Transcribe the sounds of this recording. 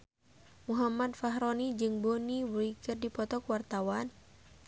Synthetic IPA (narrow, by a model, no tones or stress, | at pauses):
muɦamat̪̚faɦɾɔnid͡ʒɨŋbɔniwɾikɨrdipɔt̪ɔkwart̪awan